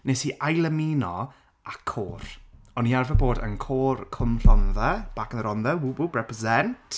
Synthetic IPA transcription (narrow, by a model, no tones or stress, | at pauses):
nesiʔajlˠəmiːnɔ | ʔakʰoːɾɔniarvəboːdə̰nkʰoːrkʰəmɬɔnðɛb̥aːkənəɾɔnðɛwububrɛpəzɛnt